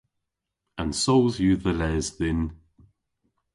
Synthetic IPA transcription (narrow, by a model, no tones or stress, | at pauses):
ə̃nsoʊlˠzjuðəlɛːzðɪn